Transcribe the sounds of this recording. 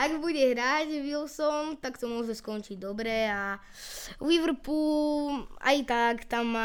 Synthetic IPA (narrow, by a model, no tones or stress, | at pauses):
aɡbuɟɛɦɾaɟʋilˠsɔnt̪akt̪ɔmʊɔʒɛskɔnt͡ʃiɟd̪ɔbɾɛa | wiʋɾ̩pula̰jt̪akt̪amːa